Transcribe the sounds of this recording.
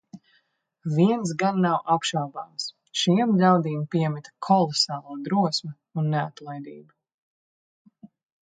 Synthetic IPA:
viɛns̬ɡanːawʔapʃawbaːms | ʃiɛmʎʲawd̪iːmpiɛmit̪kʰɔlˠɔsaːlˠuɔd̪ɾuɔsmɛ | unːeat̪lˠajd̪ḭːbu

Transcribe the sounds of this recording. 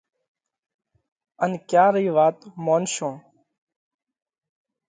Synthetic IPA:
ənkjaːɾiːʋaːt̪moːnʃõː

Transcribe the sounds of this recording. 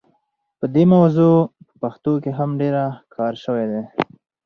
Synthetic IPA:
pəd̪emawzopə̥paxt̪okeɦamɖeɾakʰɑɾʃəwed̪e

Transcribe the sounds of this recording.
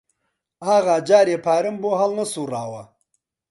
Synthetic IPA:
aːɣad͡ʒaːɾepʰaːɾɪmboɦalnɐsuɾaːwa

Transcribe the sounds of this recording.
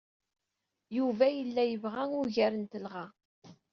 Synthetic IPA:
juvæjəlːæjəvʁæŋʊɾʝæɾənt̪əlʁa

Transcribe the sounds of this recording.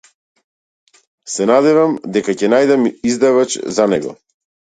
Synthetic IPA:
sɛnad̪ɛvamd̪ɛkacɛnajd̪amizd̪avat͡ʃzanɛɡɔ̰

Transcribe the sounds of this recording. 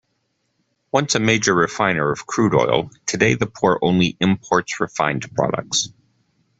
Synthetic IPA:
wʌ̃nsɨmeɪd͡ʒə˞ɹɨfãɪ̃nə˞ʌv̥kʰɹ̥ʉɾɔ̰ɪlˠtʰɨdeɪðɨpʰɔɹʔõ̰ʊ̃nliʔɪ̃mpʰɔɹtsɹɨfã̰ɪ̃npʰɹ̥ɑ̰ɾə̰k̚ts

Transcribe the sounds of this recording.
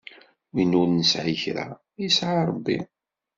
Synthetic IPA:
winʊɾnəsʕiçɾa̰ | jisʕaɾˤəbːḭ

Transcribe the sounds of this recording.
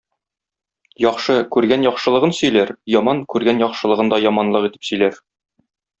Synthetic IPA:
jɒqʃɤkʉɾɡænjɒχʃɤ̆lˠɤ̆ʁɤnsɵ̆jlæɾjɒmɑŋkʉɾɡænjɒqʃɤ̆lˠɤ̆ʁɤnd̪ɒjɒmɑnlˠɤqit̪ɘ̥psɵ̆jlæɾ

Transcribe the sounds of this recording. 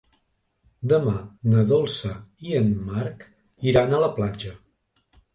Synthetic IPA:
d̪əmanəðɔlˠsəiənmaɾk | iɾanələplad͡ʒə

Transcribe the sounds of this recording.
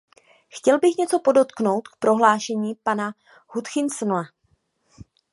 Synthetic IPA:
xcɛlbɪxɲɛt͡so̞po̞do̞t̪kno̞wt̪k̚pɾo̞ɦlaːʃɛɲiːpana | hut̪xɪnsnla

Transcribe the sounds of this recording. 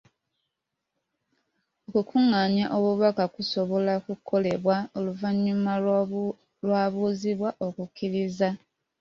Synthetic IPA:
okukʰuŋːaɲjaʔo̞βuβakakuso̞βo̞lakukʰo̞le̞βwao̞luvaɲːuma | lwaːβuːziβwaʔo̞kukiɾiza

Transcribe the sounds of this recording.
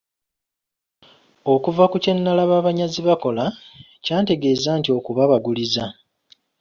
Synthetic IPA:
o̞kuvakuce̞nːalaβaːβaɲaziβako̞la | caːnte̞ɡe̞ːzaːntio̞kuβaβaɡuliza

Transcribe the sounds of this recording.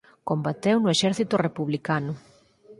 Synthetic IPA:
kombat̪ewnʊeʃɛɾθit̪ʊrepuβlikanʊ

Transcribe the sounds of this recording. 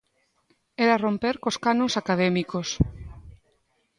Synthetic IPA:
eɾarompeɾkoskanõŋsakaðɛmikos

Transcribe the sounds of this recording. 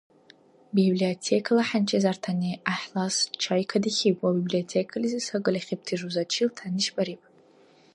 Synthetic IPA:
bibliotʰekʰalaħant͡ʃʰʼezartʰaniʔaħlast͡ʃʰajkʰadiχʲipʼwabibliotʰekʰalizɨsaɡʼɨlʲaχʲip̚tʰiʐuzat͡ʃʰiltʰaniʃbʼaɾipʼ

